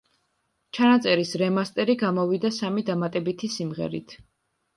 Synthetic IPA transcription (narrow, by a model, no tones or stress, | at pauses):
t͡ʃʰanat̪sʼɛɾisɾɛmast̪ʼɛɾiɡamɔvid̪asamid̪amat̪ʼɛbit̪ʰisimʁɛ̰ɾḭt̪ʰ